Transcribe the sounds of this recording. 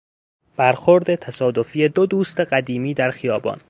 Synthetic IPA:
b̥æɾxoɾd̪e̞t̪ʰæsɒːd̪o̞fiːjed̪od̪uːst̪e̞ɢæd̪iːmiːd̪æɾxijɒːbɒ̰ːn

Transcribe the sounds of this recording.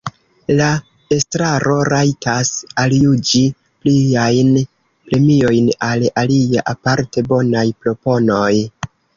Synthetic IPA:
la | e̞stɾaɾo̞ɾajtasaljud͡ʒi | pliajn | pɾe̞mio̞jnalaliaʔapaɾte̞bo̞najpɾo̞po̞no̞j

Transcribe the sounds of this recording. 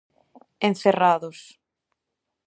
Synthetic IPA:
ẽn̟θeraðʊs

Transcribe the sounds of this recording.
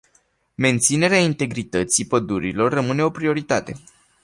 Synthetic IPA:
me̞nt̪sine̞ɾeaint̪e̞ɡɾit̪ət̪sipəd̪uɾilo̞rːəmɨne̞o̞pɾio̞ɾit̪at̪e̞̰

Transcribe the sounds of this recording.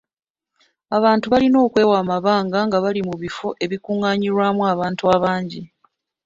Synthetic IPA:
aβaːntuβalino̞ːkwe̞ːwaːmaβaːŋɡaŋɡaβalimuβifo̞ʔe̞βikuːŋaɲiɾwamwaːβaːntuaβaːɲɟi

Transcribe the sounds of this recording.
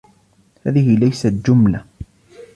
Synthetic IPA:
haːðɪɦɪlajsat̪d͡ʒʊmla

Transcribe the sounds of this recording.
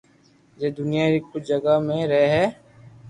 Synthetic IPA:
d͡ʒeːd̪ʊnijaɾikʊt͡ʃʰd͡ʒəɡamẽɾɛɦɦɛː

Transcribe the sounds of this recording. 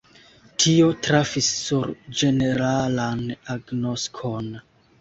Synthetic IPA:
tʰio̞tɾafisːuɾd͡ʒe̞ne̞ɾalanaɡnoskʰon

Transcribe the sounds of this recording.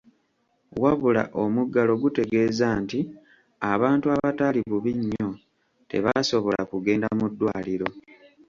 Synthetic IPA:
waβula̰ʔo̞muɡːalo̞ɡute̞ɡe̞ːzaːnti | aβaːntuaβataliβuβiɲːo̞ | te̞̰βaso̞βo̞la̰kuɡe̞ːndamudːwaːliɾo̞

